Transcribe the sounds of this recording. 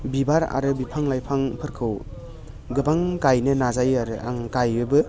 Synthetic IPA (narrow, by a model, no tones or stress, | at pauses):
bibaɾa̰ɾɯbipʰaŋlajpʰaŋpʰɯɾkʰɯw | ɡɯbaŋkajnɯnazajaɾɯʔa̰ŋkajɯbɯ